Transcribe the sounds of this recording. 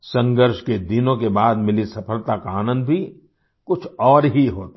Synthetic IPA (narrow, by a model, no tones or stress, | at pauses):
sɐ̃ŋɡəɾʃked̪ɪnõkebaːd̪mɪlisɐpʰəlt̪akaːnə̃nd̪bʱi | kʊt͡ʃʰɔːɾɦiɦoːt̪a